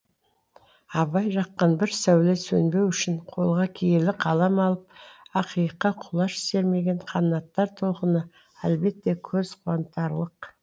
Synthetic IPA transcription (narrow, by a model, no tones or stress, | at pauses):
ɑβɑjʒɑqːɑnbɪɾsæwlesɵnbe̞wʏʃɪɴqʰo̞lˠʁɑkʲʰejelɪqʰɑlˠɑmɑlˠəp̚ɑqijəqːɑqʰʊlˠɑʃɪ̥se̞ɾme̞ɡʲe̞ɴqʰɑnənːɑt̪ːɑɾt̪ʰo̞lˠqənə | ælbe̞t̪ːe̞kʲʰɵzqʰʊwɑnt̪ːɑɾlˠəq